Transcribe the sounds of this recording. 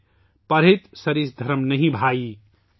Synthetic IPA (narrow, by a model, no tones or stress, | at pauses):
pɐɾɦet̪sɐɾisd̪ʱɐɾmnəɦĩbʱai